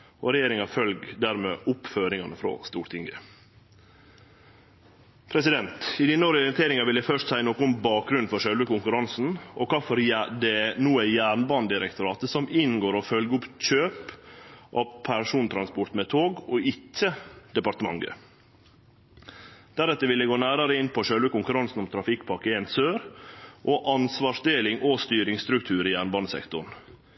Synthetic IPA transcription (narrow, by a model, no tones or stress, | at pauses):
ɔɾɛjeːɾɪŋɑfœlɡd̪æɾmḛːʔʊpføːɾɪŋɑnəfɾo̰st̪uːɾt̪ʰɪŋɡə̰ | pʰɾɛsɪd̪ɛnt̪ɪd̪ɪnːoɾɔɾɪnt̪ʰeːɾɪŋɑʋɪld̪æfœʂtsæɪənoːkʊbɑːk̚ɡɾʉnfɔɾʂœlʋəkʊŋkʉɾɑnsn̩ɔkʰɑːfɔɾd̪ɛnuːæjæːɾɳbɑnd̪ɪɾɛkt̪ʊɾɑːt̪əsɔmɪnɡoːɾɔfœlɡəʊpc͡çøːpʔɑpʰæɾʂuːnt̪ʰɾɑnspɔɾt̪mɛt̪ʰoːɡɔɪtʰːəd̪̥ɛpɑɾt̪əmɑ̰ŋɡə̰ | d̪̥æɾɛt̪ːəʋɪld̪ɛɡoːnæːɾɑɾəɪnːpʰɔʂøːlʋəkʊŋkʉɾɑnsn̩ɔmt̪ʰɾɑfɪkːpʰɑkəensøːɾʔɔʔɑnsʋɑːʂd̪eːlɪŋʔɔst̪yːɾɪŋst̪ɾʉkt̪ʰʉːɾɪjæːɾɳbɑnsɛ̰kt̪ʊɳ